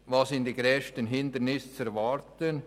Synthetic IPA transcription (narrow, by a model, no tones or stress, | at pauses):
vɑːsɪnd̪iɡɾɛːʃtənɦɪnd̪əɾnɪst͡sɛɾvɑɾtən